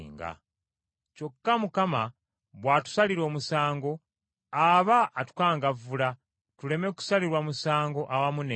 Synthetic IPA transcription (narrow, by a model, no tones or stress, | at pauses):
ŋɡa̰ | co̞kːamukama | βwaːtu̥saliɾo̞ːmusaːŋɡo̞ | aβaʔːtu̥kaːŋɡavula | tule̞me̞ku̥saliɾwamusaːŋɡo̞ʔawamune